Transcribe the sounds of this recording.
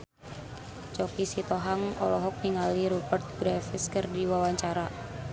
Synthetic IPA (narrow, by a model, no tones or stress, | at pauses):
t͡ʃɔkisit̪ɔɦaŋɔ̰lɔɦɔk̚niŋaliɾubərt̪̚ɡɾafiskɨrdiwawaɲt͡ʃaɾa